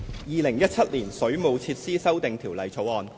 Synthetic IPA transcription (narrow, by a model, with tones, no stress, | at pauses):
jiː˨lɪ˨˩ŋjɐ˥t̚t͡sʰɐ˥t̚liː˨˩nsɵ˨˥ɥmo˨˧wt͡sʰiː˧t̚siː˥sɐ˥wt̪ɪ˨ŋt̪ʰiː˨˩wlɐ˨˩jt͡sʰo˨˥wɔː˨n